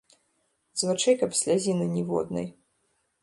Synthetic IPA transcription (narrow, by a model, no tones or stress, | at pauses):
zvat͡ʂɛjkɐpsʲlʲazʲinɨnʲivɔ̰d̪̚nɐ̰j